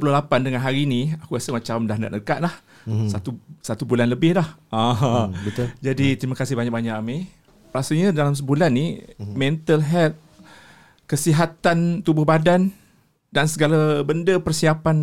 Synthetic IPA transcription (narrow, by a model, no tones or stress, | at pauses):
pulohlapandəŋanɦaɾiniakuasəmat͡ʃamdahna̰t̪̚əkaʔ̪̚lah | sat̪usat̪ubulanləbɪhlahabəd͡ʒadit̪ɾimakasɪhbaɲak̚baɲaʔame | ɾasaɲadalams̬əbulanːimɛ̃nt̪əlɦɛlt̪̚ | kəsiɦat̪ant̪ubʊhbadan | dansəɡalabəndəpərsiapan